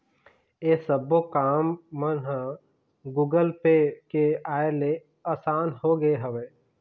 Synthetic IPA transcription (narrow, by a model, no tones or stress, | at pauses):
eːsəbokaːmːənɦã | ɡuːɡəlpekeaːele | aːsaːnhoɡɐeɦɐʋeː